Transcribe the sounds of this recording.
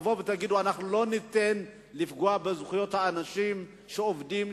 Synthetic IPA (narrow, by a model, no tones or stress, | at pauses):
vovet̪aɡid̪uanaχnulo̞nit̪en | lifɡuabezuχijo̞t̪haːnaʃim | ʃeovdim